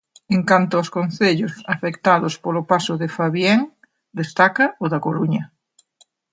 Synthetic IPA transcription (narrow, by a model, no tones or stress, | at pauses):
eŋkant̪ʊaskon̟θeʎʊsafekt̪aðʊspolʊpasʊðefaβjeŋ | d̪est̪akɐʊðɐkoluɲɐ